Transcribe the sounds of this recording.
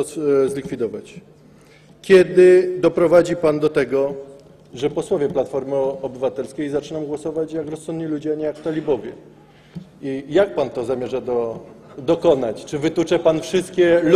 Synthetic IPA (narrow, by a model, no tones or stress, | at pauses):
zlʲikfʲid̪ɔvat͡ɕ | kʲɛd̪ɘd̪ɔpɾɔvad͡ʑipand̪ɔt̪ɛɡɔ | ʐɛpɔswɔvʲɛplat̪fɔɾmɘɔbɘvat̪ɛlskʲejzat͡ʂɘnɔwɡwɔsɔvat͡ɕjakɾɔsɔnd̪ɲilud͡ʑɛaɲɛjakt̪alʲibɔvʲjɛ | ijak̚pant̪ɔzamʲjɛʐad̪ɔd̪ɔkɔnat͡ɕt͡ʂɘvɘt̪ut͡ʂɛpanfʂɘst̪̚kʲɛl